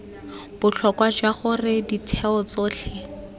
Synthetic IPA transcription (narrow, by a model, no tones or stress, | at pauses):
b̥ʊɬʰɔkwad͡ʒwaχʊrɪditʰɛɔt͡soːɬʰɪ